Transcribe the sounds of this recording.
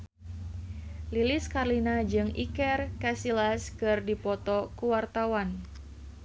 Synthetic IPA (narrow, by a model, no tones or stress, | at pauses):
liliskarlinad͡ʒɨŋikɛrkasilaskɨrdipɔt̪ɔkuwart̪awan